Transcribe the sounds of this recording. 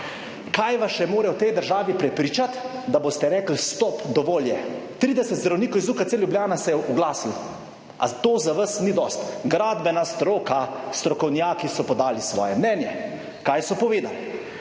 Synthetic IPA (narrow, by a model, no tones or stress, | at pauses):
kajʋasʃɛmoːɾɛwt̪ɛjd̪əɾʒaːʋipɾɛpɾiːt͡ʃat̪ | d̪abost̪ɛɾɛːkl̩st̪ɔːpd̪ɔʋoːljɛt̪ɾiːd̪ɛsɛt̪zd̪ɾawniːkɔwizuːkat̪seljubljaːnasɛjɛʔuɡlaːsil | a̰t̪oːzaʋasnid̪ɔst̪ɡɾaːd̪bɛnast̪ɾoːkast̪ɾɔkɔwnjaːkisɔpɔd̪aːlisʋɔ̰ːjɛmnɛːnjɛ | kaːjsɔpɔʋeːd̪al